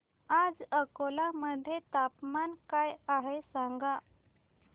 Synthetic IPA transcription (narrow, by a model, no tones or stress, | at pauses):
ad͡zəkolaməd̪ʱːjet̪apmankajaɦesaŋɡa